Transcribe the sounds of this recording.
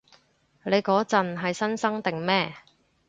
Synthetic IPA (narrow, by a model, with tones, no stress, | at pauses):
le˨˧jkɔː˨˥t͡sɐ˨nɦɐ˨jsɐ˥nsɐ˥ŋt̪ɪ˨ŋmɛː˥